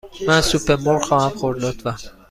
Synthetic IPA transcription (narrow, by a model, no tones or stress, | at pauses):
mænsupʰeɾmoɾxɒːhæmχoɾd̪ɒd̪væ